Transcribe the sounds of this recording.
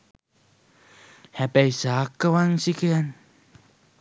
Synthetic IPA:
hɛpɛisakəwaŋsikean

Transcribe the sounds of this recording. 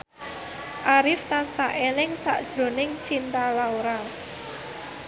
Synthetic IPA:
ʔaɾɪft̪ansaʔelɪŋsa̰ʔd̥ʒ̥ɾo̤nɪŋt͡ʃint̪alaoɾa

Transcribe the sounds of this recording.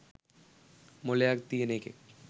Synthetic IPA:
moleak̚t̪ienekḛk̚

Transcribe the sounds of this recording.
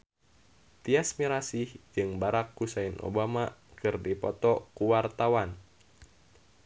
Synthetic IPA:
t̪iasmiɾasihd͡ʒɨŋbaɾakːusainʔo̰bamakɨrdipɔt̪ɔkuwart̪awan

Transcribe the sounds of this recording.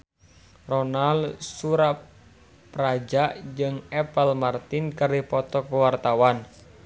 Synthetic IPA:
rɔnalsuɾa | pɾad͡ʒaʔd͡ʒɨŋɛpəlmart̪inkəɾipɔt̪ɔkəwart̪awan

